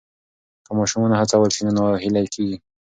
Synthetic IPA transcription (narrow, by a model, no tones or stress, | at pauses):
kəmɑʃumɑnahat͡sawəlʃinonoɦilajkʰeɡi